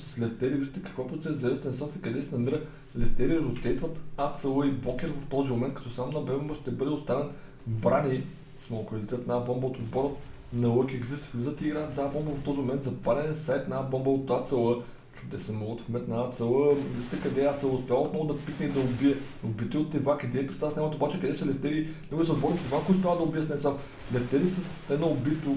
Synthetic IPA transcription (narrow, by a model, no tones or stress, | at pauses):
sə̥slɛst̪ɛɾiviʃt̪ɛkɐkvapɾʊt̪sɛszɐɛst̪ɛnsɔt̪ikɐd̪ɛsɛnɐmiɾə | lɛst̪ɛɾikət̪osd̪ɛjst̪vɐt̪at̪səlˠəiblɔkʲɛɾvɐft̪ɔzimʊmɛnt̪̚kɐt̪ɔsamnɐbɛbombəʃt̪ɛbɤd̪ɛʊst̪anət̪ | bɾani | smɔkɐlʲit̪t̪naabɔmbəot̪od̪bɔɾət̪ | nɐlˠɤkʲɛɡzisflizət̪iɡɾaːt̪zɐabɔmbəvɐft̪ɔzimomɛnt̪zɐpalʲɛnɛsajt̪naabɔmbəot̪at̪səlˠə | t͡ʃud̪ɛsɛmɔlˠt̪fmɛt̪naat̪sɛlˠəɛst̪ɛkɐd̪ɛat̪sɛlˠəʊspʲjavəot̪nɔvʊd̪ɐpik̪nɛid̪ɐʊbiɛobit̪iʊt̪ːɛvakid̪ɛpɾɛst̪asnʲɛmɐt̪obat͡ʃɛkɐd̪ɛsɛlɛft̪ɛlinɛɡuɛsɛod̪bɔɾət̪sɛvamkoʊspʲjavəd̪ɐʊbiɛsnɛsaf | lɛft̪ɛlisəst̪ɛnɐʊbist̪ʊ